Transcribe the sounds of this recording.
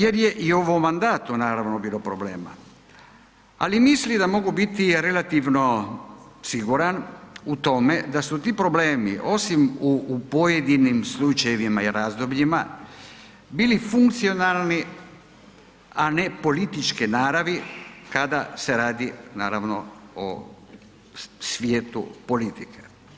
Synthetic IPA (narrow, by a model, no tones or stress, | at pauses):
je̞ɾjeʔioʋomːand̪aːt̪unaːɾaʋnobiːlopɾo̞bleːma̰ | a̰limislid̪amo̞ɡubit̪iɾe̞lat̪iʋno̞ | siɡuɾanut̪o̞me̞d̪asut̪iːpɾo̞ble̞ːmḭʔo̞simuːpo̞jed̪inimslˠut͡ʃajeʋimaiɾaːzd̪obʎima | biːlifuŋkt̪sio̞nalˠni | anepo̞lit̪it͡ʃkinaːɾaʋikad̪ase̞ɾaːd̪inaːɾaʋno̞̰o̰ | sʋjeːt̪ṵpo̞lit̪ikʰe̥